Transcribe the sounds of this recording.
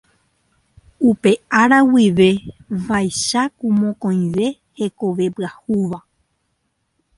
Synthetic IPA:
upe̞ʔaɾawiʋe̞ʋajʃakũmõkõĩʋe̞ | he̞ko̞ʋe̞pɨahuʋa

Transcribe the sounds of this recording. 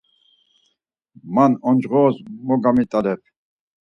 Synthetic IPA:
manɔnd͡ʒʁɔːzmɔɡamit̪ʼalɛp

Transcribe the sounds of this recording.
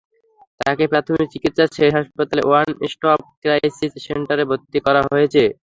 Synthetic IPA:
t̪akepɾat̪ʰomik̚t͡ɕikit̪ʃaʃeʃɦaʃpat̪aleʔoanesʈɔp̚kɾasiseɳʈaɾebʱot̪ːikɔɾaɦojet͡ɕʰe

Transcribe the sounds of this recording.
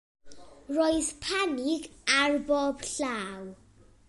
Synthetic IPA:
rɔjspʰaniɡarbɔbɬaw

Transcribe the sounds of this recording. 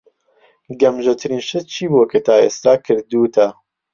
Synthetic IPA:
ɡɐmʒɐt̪ʰɨɾiːnʃɐt͡ʃʰiːbukʰɐt̪ʰaːeːst̪aːkʰɨɾd̪uːt̪ʰɐ

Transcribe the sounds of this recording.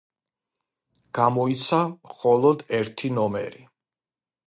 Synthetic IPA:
ɡ̥amɔit̪sʰamχɔlˠɔd̪ɛɾt̪ʰinɔmɛɾi

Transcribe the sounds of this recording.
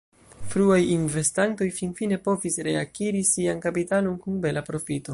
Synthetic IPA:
fɾuajinve̞stanto̞jfinfine̞po̞visɾe̞akiɾisiankapitalo̞nkunbe̞lapɾo̞fito

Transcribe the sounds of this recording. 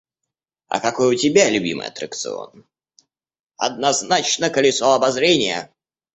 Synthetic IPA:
ɐ̰kɐko̞jʊtʲɪbʲalʲʉbʲḭmɨ̰jɐ̰t̪ɾəkt̪sɨ̰o̞̰n | ɐ̰d̪nɐznat͡ɕnəkəlʲɪsoɐbɐzɾʲenʲɪjə̰

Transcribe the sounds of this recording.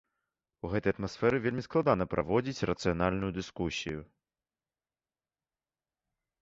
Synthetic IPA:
uɣɛt̪ɐjɐt̪masfɛɾɨvʲelʲmʲisklˠad̪anɐpɾʔa̰vɔd͡zʲit͡sʲrɐt̪sɨjanalʲnujud̪ɨskusʲiju

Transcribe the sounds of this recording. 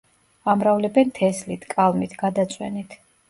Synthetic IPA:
amɾavlɛbɛnt̪ʰɛslit̪ʰkʼalˠmit̪ʰɡad̪at̪sʼwɛ̰nit̪ʰ

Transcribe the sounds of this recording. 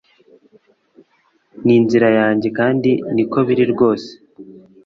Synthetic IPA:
niːnziɾajaːɲɟe̞kaːndiniko̞βiɾiɾɡo̞ːse̥

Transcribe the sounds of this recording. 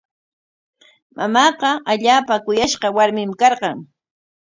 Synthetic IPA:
mʔamɑːqɑaʎaːpakʊjaʃqɑwaɾmɪmkɑɾɢɑŋ

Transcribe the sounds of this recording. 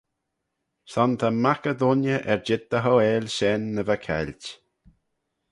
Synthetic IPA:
sɔnt̪ʰamakəd̪ʊnjəʔɛɹd͡ʒɪd̪̚d̪əɦɔeːlʲʃɛnːəvəkʰɛ̰lʲt

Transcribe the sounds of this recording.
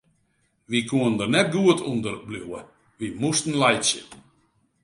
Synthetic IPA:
ʋikʰuəndərnɛt̚ɡuətʰundərbluwə̰ | ʋimustən̩lɛjtsjə̰p

